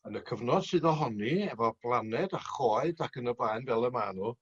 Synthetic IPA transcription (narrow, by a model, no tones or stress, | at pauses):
ənəkʰəvnɔd̥sɨːðɔɦɔniɛvɔb̥lˠanɛdaχɔːɨdakʰənəblajnvɛlˠəmaːnu